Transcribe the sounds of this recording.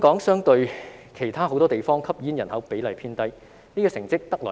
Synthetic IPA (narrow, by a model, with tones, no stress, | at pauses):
kɔː˨˥ŋsœː˥ŋt̪ɵ˧ɥkʰe˨˩jt̪ʰaː˥ɦo˨˥wt̪ɔː˥e˨jfɔː˥ŋkʰɐ˥p̚jiː˨˥njɐ˨˩nhɐ˨˥wpe˨˥jlɐ˨jpʰiː˥nt̪ɐ˥j | niː˥kɔː˧sɪ˨˩ŋt͡sɪ˥k̚t̪ɐ˥k̚lɔː˨˩